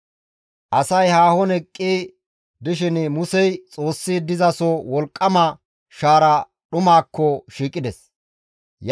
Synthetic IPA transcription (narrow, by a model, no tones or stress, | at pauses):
ʔɐsɐjhaːhɔnɛkʼːiː | d̪ɪʃ̬ɪnmʊsɛjt͡sʼo̞ːsːiːd̪ɪzɐsɔwɔlkʼːɐmɐ | ʃaːɾɐ | ɗʊmaːkːɔʃiːkʼːɪd̪ɛs | j